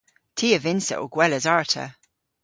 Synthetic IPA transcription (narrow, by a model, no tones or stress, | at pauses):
tʰiːəvɪnsə̰ʔoɡ̥wɛləzaɹtʰə̰